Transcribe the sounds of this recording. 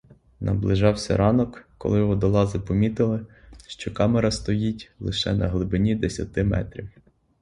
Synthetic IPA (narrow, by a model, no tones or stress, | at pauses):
nɐ̰blˠɪʒɑwsʲɐ̰ɾɑnɔkːɔ̰lˠɪjɔɦɔd̪ɔlˠɑzɪpɔmʲit̪ɪlˠɪ | ʃt͡ʃɔkɑmeɾɐst̪ɔjitʲlˠɪʃɛ̰nɐ̰ɦlˠɪbɪnʲid̪esʲɐt̪ɪmɛ̰t̪ɾʲiw